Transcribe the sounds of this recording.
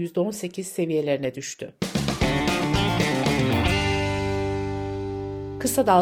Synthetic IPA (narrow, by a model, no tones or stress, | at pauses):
jyzd̪ɛo̞nse̞cʰiz̥se̞vije̞lʲe̞ɾinɛd̪yʃt̪ʰy | kʰɯsad̪a